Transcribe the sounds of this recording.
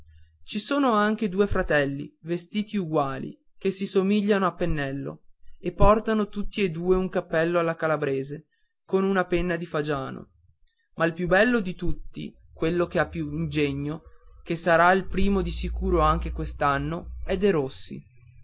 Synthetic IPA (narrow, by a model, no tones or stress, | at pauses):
t͡ʃisoːnoaŋk̟ed̪uːefɾat̪ɛlːḭvest̪iːt̪iuɡwaːlḭ | k̟esisomiʎːanoapːenːɛlːo̰epːɔrt̪anot̪ut̪ːied̪uːeuŋkapːɛlːoalːakalabɾeːze | konunapenːad̪ifad͡ʒaːno̰ | mʔailpjubːɛlːod̪it̪ut̪ːḭ | kwelːokeapːjuind͡ʒeɲːok̟esːaɾailpɾiːmod̪isikuːɾoaŋk̟ekwest̪anːoɛd̪ːeɾosːḭ